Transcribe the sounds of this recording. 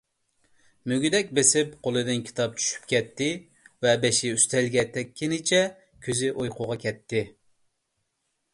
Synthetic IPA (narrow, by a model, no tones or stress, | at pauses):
møɡʲyd̪ɛkʲbesɪpqʰolˠɨd̪ɨnkʲʰi̥t̪ʰɑp̚t͡ʃʰy̥ʃy̥pkʲɛt̪ʰːɪ | vɛbeʃɪyst̪ʰɛlɡʲɛt̪ʰɛkʲːinɪt͡ʃʰɛ | kʲʰøzɪʔojqʰʊʁɑkʲʰɛt̪ʰːɪ